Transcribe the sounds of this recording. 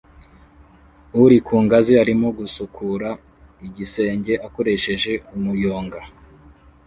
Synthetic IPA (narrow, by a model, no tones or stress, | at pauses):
uɾikʰuːŋɡaziaɾimoɡusukʰuɾa | iɟise̞ːɲɟe̞ʔako̞ɾe̞ʃe̞ʒe̞umujo̞ːŋɡa